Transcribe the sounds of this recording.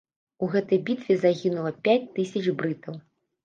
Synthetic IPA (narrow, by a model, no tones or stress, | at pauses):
uɣɛt̪ɐjbʲit̪vʲɛzaɣʲinulˠɐpʲat͡sʲt̪ɨsʲɐt͡ʂbɾɨt̪ɐw